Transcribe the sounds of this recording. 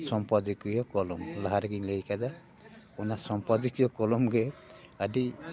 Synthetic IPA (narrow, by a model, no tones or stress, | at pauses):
sɔmpɔd̪ikɯjɔkɔlɔmlaɦaɾɡiɲlejkad̪a | ɔnasɔmpɔd̪ikijɔkɔlɔmɡɛ | aɖi